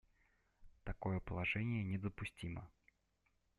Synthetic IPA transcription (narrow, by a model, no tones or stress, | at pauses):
t̪akɔjɛpəlˠaʐɛnʲɪjənʲɪd̪əpʊsʲtʲimə̰